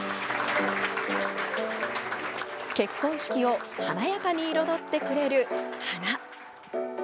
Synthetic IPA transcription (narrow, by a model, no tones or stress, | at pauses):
ke̞kːõ̞ɰ̃ɕi̥kʲio̞hanajakaɲ̟iːɾo̞d̪o̞t̪ːe̞kɯ̟ɾe̞ɾɯ̟hana